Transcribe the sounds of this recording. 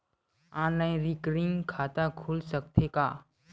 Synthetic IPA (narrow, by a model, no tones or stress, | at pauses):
ãːnlaːĩnɾikɾĩŋkʰaːt̪akʰuːlsək̚t̪ʰekaː